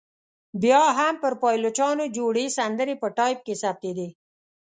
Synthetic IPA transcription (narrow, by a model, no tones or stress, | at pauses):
bjɑɦampəɾpɑjlot͡ʃɑnod͡ʒoɽesand̪əɾepəʈɑjp̚kesap̚t̪ed̪e